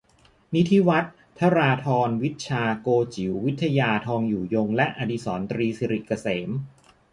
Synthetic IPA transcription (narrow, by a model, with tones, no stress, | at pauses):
ni˦˥t̪ʰi˦˥wa˦˥t̪̚ʰːa˦˥ɾaː˧t̪ʰɔː˧nwi˦˥t̪̚t͡ɕʰaː˧koː˧t͡ɕi˩˦wːi˦˥t̪ʰːa˧jaː˧t̪ʰɔː˧ŋjuː˨˩jo˧ŋlɛ˦˥ʔaː˧di˧˥sɔː˩˦nt̪ɾiː˧si˧ɾi˨˩ʔka˧seː˩˦m